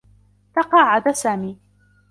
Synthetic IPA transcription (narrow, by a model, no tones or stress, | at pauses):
t̪ɑqɑːʕad̪asaːmiː